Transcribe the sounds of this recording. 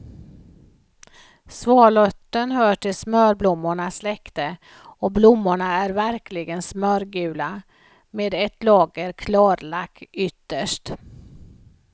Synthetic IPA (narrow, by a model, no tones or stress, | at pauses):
svɑːɭɔt̪ːənhœːʈɪlsmœːɾblʊmːʊɳaslɛkt̪ə | ɔblʊmːʊɳaæɾvæɾklɪɡənsmœːɾɡʉ̟ːla | meːd̪ɛt̪lɑːɡəɾkʰlɑːɾlakʰːʏt̪ːəʂʈ